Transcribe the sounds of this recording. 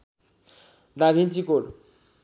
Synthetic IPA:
d̪abʱint͡sikoɽ

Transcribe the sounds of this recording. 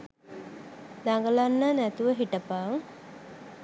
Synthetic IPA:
d̪aŋɡəlanːanæt̪uʋəɦiʈəpaːŋ

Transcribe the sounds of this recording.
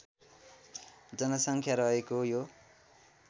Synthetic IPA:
d͡zʌnʌsʌŋkʰjaɾʌɦekojo

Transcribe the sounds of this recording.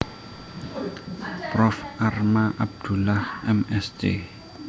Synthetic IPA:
prɔfarmaʔab̚d̪̥ulahɛmɛsd͡ʒḛ

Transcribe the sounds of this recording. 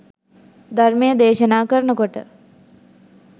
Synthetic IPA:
d̪ʱɐɾmeːd̪eːʃənaːkɐɾnəkoʈə

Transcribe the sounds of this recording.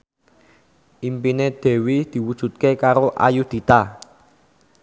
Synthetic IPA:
ʔimpined̪̥e̤wid̪̥i̤wud̥ʒ̥ṳt̪̚kekaɾoʔa̰jud̪̥i̤t̪a

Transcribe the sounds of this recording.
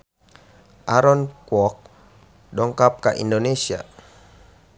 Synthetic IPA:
ʔaɾɔnkwɔk̚ | dɔŋkap̚kaʔḭndonesia̰

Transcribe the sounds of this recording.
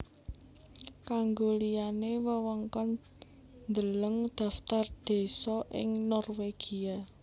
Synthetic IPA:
kaŋɡolijanewəwɔŋkɔn | nd̪ələŋd̪̥ä̤ft̪ard̪̥e̤sɔʔɪ̰ŋnɔrweɡ̥ia

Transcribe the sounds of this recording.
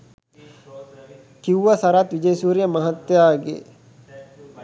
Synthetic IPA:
kiwʋɐsaɾat̪ʋid͡ʒəjsuːɾijəmɐɦat̪ːjaːɡḛ

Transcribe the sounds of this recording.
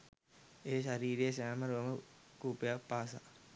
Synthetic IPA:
eːʃaɾiːɾiesaːmɐɾoːmɐkuːpjapaːsa̰

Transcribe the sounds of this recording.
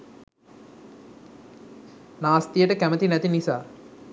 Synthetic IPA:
naːst̪ijəʈəkæmət̪inæt̪inisaː

